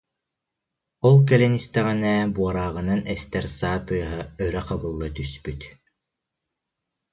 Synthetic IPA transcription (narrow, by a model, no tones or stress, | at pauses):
ɔlˠkɛlɛnist̪ɛʁɛnɛːbuɔɾaːʁɯnanɛst̪ɛɾsaːt̪ɯɐɦɯœɾɛqabɯlˠːat̪yspyt̪